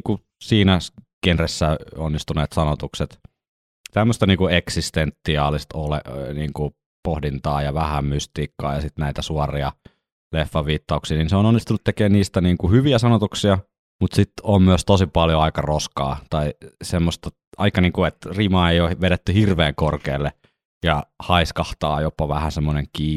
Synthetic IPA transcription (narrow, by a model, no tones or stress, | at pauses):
ku | siːnækenresːæonːist̪uneːt̪sɑnot̪ukset̪ | t̪æmːøst̪ɑniːŋkueksist̪ent̪ːiɑːlist̪olḛʔniːŋku | pohdint̪ɑːjɑʋæhæmmyst̪iːkːɑ̰ːjɑsit̪næit̪æsuɑriɑ | lefːɑʋiːt̪ːɑuksiːniːnseononːist̪unut̪t̪ekeːnniːst̪æniːŋkuhyʋiæsɑnot̪uksiɑ | mut̪sit̪ommyøst̪osipɑljoɑikɑroskɑ̰ːt̪ɑisemːost̪ɑ | ʔɑ̰ikːɑniːŋkuet̪rimɑːeijoːʋeɾet̪ːyhirʋeːŋkorkeːlːe | jɑhɑiskɑht̪ɑːjopːɑʋæhæsemːoneŋkiː